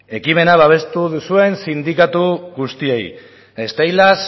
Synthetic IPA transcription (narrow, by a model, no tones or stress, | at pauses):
e̞kime̞naβaβ̞e̞st̪uðusue̞nsind̪ikat̪uɣust̪iej | est̪ajlas